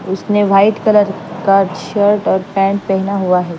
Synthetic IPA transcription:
ʊsneʋaːɪʈkələɾ | kaːɾʈʃəɾʈɔːɾpɛ̃ːɳʈ̚pɛɦnaɦuaɦɛː

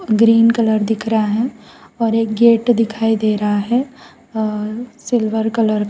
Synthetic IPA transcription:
ɡɾiːnkələɾd̪ɪkʰɾaaɦɛ̃ɔːɾeːk̚ɡeːʈd̪ɪkʰaːid̪eːɾaɦaɦɛ | sɪlʋəɾkələɾ

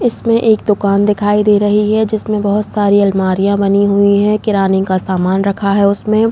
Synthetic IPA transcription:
ɪsmẽʔeːkd̪ʊkaːnd̪ɪkʰaːid̪eːɾɐɦiɦɛd͡ʒɪsmẽbɐɦʊt̪saːɾiɐlmaːɾijãbɐniɦʊiɦɛ̃kɪɾaːnɪ̃kasaːmaːnɾɐkʰaɦɛʊsmẽ

